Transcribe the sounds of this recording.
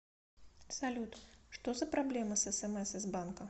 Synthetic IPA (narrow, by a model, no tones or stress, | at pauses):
salʲut̪ʂt̪ɔzɐpɾablʲɛmɨsɛsɛmɛsɨzbankɐ